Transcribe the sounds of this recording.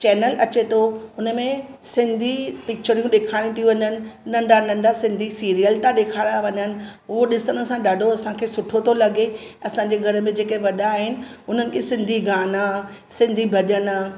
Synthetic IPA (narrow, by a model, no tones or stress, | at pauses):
t͡ɕɛːnəlɐt͡ɕet̪ʰoʊnə̆mẽ | sɪ̃nd̪ʱipɪk̚t͡ɕəɾijũɗeːkʰaːɽ̃ĩt̪ʰijũʋɐɲənɪ̆nɐ̃ɳɖʱanɐ̃ɳɖʱasɪ̃nd̪ʱisiːɾijəlt̪ãɗeːkʰaːɽaʋɐɲənɪ̆ʊɦoɗɪsənsãɗaːɖʱoɐsãkʰeːsʊʈʰot̪ʰolɐɡeɐsãːɲd͡ʑeɡʱɐɾə̆mẽd͡ʑeːkeʋɐɗaːɦɪnɪ̆ʊn̤ənɪ̆kʰesɪ̃nd̪ʱiɡaːnasɪ̃nd̪ʱibʱɐɗənə